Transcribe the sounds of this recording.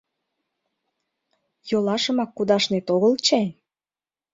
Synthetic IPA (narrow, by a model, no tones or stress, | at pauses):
jolɑʃəmɑkːud̪ɑʃnet̪oɣəlt͡ɕej